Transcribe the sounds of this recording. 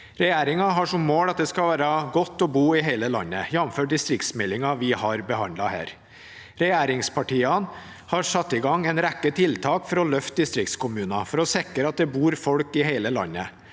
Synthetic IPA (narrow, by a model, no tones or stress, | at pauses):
ɾɛjæːɾɪŋɑɦɑʂɔmːoːlɑt̪̚d̪ɛskɑʋæːɾɑɡɔt̪ːɔbuːɪɦeɪləlɑ̰nːəjɛnmføːʈ̚d̪ɪst̪ɾɪkt̪smɛlːɪŋɑʋɪhɑɾbəhɑ̰nd̪lɑhæ̰ːɾ | ɾɛjæːɾɪŋspʰɑʈiːɑn | hɑʂɑt̪ːɪɡɑŋːɛɪnɾækːət̪ʰɪlt̪ʰɑːkfɔɾɔlœft̪̚d̪ɪst̪ɾɪk̚t̪skʰʊmʉːnɑfɔɾɔsɛkɾəɑt̪̚d̪ɛbuːɾfɔlkɪheɪləlɑ̰nːə